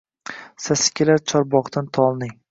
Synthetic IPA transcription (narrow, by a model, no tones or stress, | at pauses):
sasɪ̥kʲʰɪlaɾt͡ʃʰɒɾbɒqd̪ant̪ʰɒlˠnɪŋ